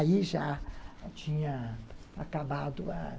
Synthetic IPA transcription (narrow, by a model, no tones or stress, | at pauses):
iʒat͡ʃĩɲɐakabad̪ʊa̰